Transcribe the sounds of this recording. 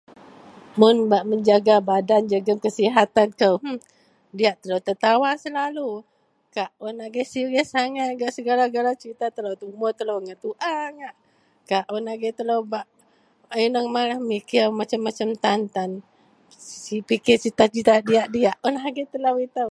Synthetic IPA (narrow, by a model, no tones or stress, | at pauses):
mʊnbaʔməɲd͡ʒaɡabadand͡ʒaɡəŋkəsiɦat̪ankəw | diaʔt̪ələwt̪ət̪awasəlalu | kaʔɔnaɡɛsiɾəhsaŋat̪̚ɡaʔsəɡalaɡalat͡ʃəɾit̪at̪əlowt̪umɔt̪ələwŋaʔt̪uʔaŋaʔ | kaʔɔnaɡɛt̪ələwbaʔ | ajnəŋmalahmikiamat͡ʃamːat͡ʃamt̪ant̪an | sipikɪt͡ʃit̪at͡ʃit̪adiaʔdiaʔɔnaɡɛt̪ələwit̪əw